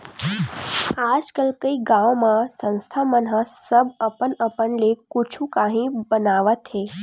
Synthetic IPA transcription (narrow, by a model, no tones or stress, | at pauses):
aːd͡ʒkəlkəiɡãʋmãsə̃nst̪ʰamənɦəsəbəpənəpənlekʊt͡ʃʰũkãɦĩbənaʋət̪ɦe